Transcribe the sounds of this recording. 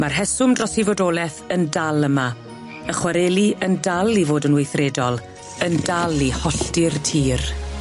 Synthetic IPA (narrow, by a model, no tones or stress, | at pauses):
marɦɛsʊmdrɔsivɔdoːlˠɛθəndalˠəma | əχwaɾɛliəndalivoːdənwejθrɛdɔlˠ | əndalˠihɔɬtɪrtʰiːr